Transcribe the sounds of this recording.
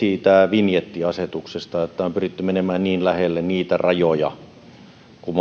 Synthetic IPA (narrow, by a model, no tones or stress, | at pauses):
iːt̪æʋinjet̪ːiɑset̪uksest̪ɑet̪ːæompyrit̪ːymenemæːnniːnlæhelːenniːt̪ærɑjojɑ̰ | kum